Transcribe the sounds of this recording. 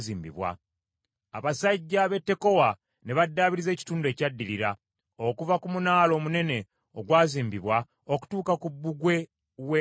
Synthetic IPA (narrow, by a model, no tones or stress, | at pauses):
ziːmbḭβwa̰ | aβasaɟːaβe̞tːe̞ko̞wa | ne̞βadːaːβiɾize̞ːci̥tuːndue̞ːcadːiliɾa | o̞kuvakumunaːlo̞ːmune̞ne̞ | oɡwaːziːmbiβwa | oku̥tuːkakubːuɡwe̞ | we